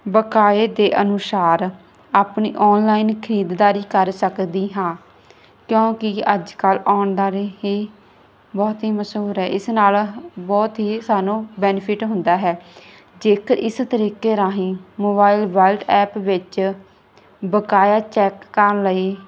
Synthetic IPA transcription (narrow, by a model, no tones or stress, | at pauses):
bəkaːeːd̪eːʔənʊsaːɾ | aːpnḭːʔɔːnlaːiːnkʰəɾiːd̪d̪aːɾiːkəɾsəkd̪iːɦãː | kjõːkɪəd͡ʒkəlaːɳd̪aːɾeɦiː | bɔːt̪ɦiːməsuːɾɦɛːʔɪsnaːlbɔːt̪ɦiːsaːnũːbɛːnpʰɪʈɦʊnd̪aːɦɛː | d͡ʒeːkəɾʔɪst̪əɾiːkeːɾãːɦĩːmoːbaːilʋəːlɖɛːpʋɪt͡ʃ | bəkaːjaːt͡ʃɛːkːəɾələiː